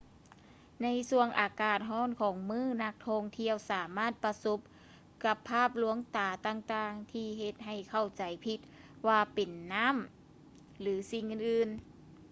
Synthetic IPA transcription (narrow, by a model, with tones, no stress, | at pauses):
na˧˥jsu˧əŋʔaː˨˩kaː˨˩t̪̚ɦɔː˧˥˨nkʰɔː˨˦ŋmɯː˧˥˩na˧˥k̚t̪ʰɔː˧ŋt̪ʰi˧əwsaː˨˦maː˥˩˨t̪̚pa˧so˧˥p̚ | ka˧pʰːaː˥˩p̚lu˧˦əŋt̪aː˨˩t̪aː˧ŋt̪aː˧ŋt̪ʰiː˧ɦe˧t̪̚ɦa˨˩jkʰa˧˩wt͡ɕa˨˩jpʰi˧t̪̚ | waː˧pe˨˩nːa˥˨m | lɯː˨˦si˧ŋʔɯː˧nʔɯː˧n